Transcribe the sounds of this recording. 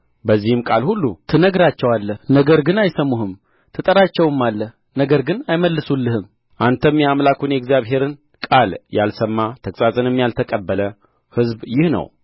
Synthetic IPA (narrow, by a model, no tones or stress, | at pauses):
bəzːihɨmkʼalhulːṵt̪ʰɨnəɡɾat͡ʃːɛwalːəhnəɡəɾɡɨnajsəmːuɦɨm | t̪ʰɨt̪ʼəɾat͡ʃːɛwɨmːalːəh | nəɡəɾɡɨnajməlːɨsulːɨhɨm | ʔant̪ʰəmːjamlakʰunjɛɡzjaβɦe̞ɾɨn | kʼalja̰lsəmːat̪ʰəkʼsʼazʼɨnɨmːjalt̪ʰəkʼəbːələ | hɨzbjɪhnə̰w